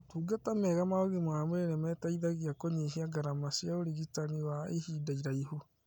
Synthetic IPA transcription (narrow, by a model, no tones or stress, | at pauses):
tuːɡatamɛɣamaoɣemwamoɾenemɛtaiðaɣiakoɲeɦiaɡaɾamasjaoɾeɣitaniwaehidaiɾaiɦu